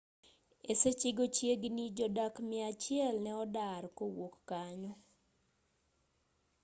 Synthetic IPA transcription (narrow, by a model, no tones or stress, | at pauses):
eset͡ʃɪɡot͡ʃjeɡnid͡ʒɔdakmɪat͡ʃɪɛlnɛɔdarkowokːaɲɔ